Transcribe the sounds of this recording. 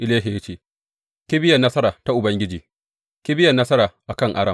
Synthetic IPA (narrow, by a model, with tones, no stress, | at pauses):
ʔɪ˦leː˦ɦe˨jt͡ʃeː˨ | kʲi˦bɪ˦jɐ˨nːɐ˦sɐ˦ɾaː˨ta˦ʔʊ˨bɐ˦ŋɡʲɪ˦d͡ʒiː˨ | kʲi˦bɪ˦jɐ˨nːɐ˦sɐ˦ɾaː˨ʔa˨kɐ˦ŋʔa˦ɽɐ˨m